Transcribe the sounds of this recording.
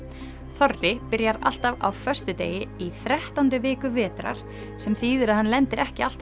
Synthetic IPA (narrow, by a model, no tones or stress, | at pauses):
θɔrːɪpɪɾjaɾa̰l̥t̪ava̰wfœr̥st̪ʏt̪ḛːjɪiθɾɛht̪ant̪ʏvɪːkʏvɛːt̪ɾa̰ɾ̥ | sɛmθiːðɪɾaðhanːlɛnt̪ɪɾɛhcɪal̥t̪